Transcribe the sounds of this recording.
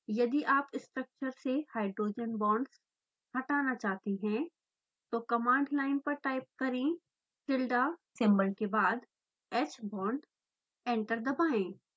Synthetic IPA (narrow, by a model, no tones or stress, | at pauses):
jɐd̪iʔaːpɪsʈɾək̚t͡ʃəɾsehaːɪɖɾoːd͡ʒənbɔ̃ːɳɖs | hɐʈaːnat͡ʃaːɦt̪iɦɛ̃ | t̪okɐmãːɳɖlaːɪnpɐɾʈaːɪp̚kɐɾẽ | sɪlɖasɛ̃mbəɾkebaːd̪ | ɛːt͡ʃbɔ̃ːɳɖ | ɛ̃ːɳʈəɾd̪ɐbaːẽː